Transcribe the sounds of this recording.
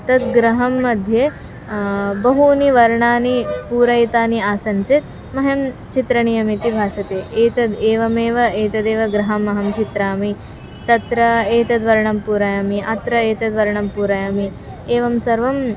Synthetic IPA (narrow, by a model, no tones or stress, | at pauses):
t̪ɐd̪ɡɾɐɦɐmːɐd̪ʱje | bɐɦuniʋɐɾɳaːnipuːɾɐjt̪aːniaːsɐnt͡ʃit̪̚ | mɐɦɐmt͡ʃit̪ɾɐɳijɐmit̪ibʱaːsɐt̪eːʔeːt̪ɐd̪eːʋɐmeːʋɐeːt̪ɐd̪eːʋɐɡɾɐɦɐmɐɦɐmt͡ʃit̪ɾaːmi | t̪ɐt̪ɾɐeːt̪ɐd̪ʋɐɾɳɐmpuːɾaːjamiʔɐt̪ɾɐeːt̪ɐd̪ʋɐɾɐɳɐmpuːɾajami | eːʋɐmsɐɾʋɐm